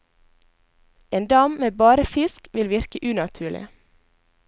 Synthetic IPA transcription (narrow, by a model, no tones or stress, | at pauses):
eːnd̪ɑːmmeːbɑːɾəfɪskʋɪlʋɪɾkəʔʉːnɑt̪ʰʉːɭɪ̰